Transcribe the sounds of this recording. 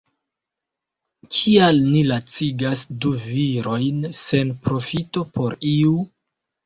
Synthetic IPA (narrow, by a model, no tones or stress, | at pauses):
kʰialnilat͡siɡasduviɾo̞jnse̞npɾo̞fito̞po̞ɾiu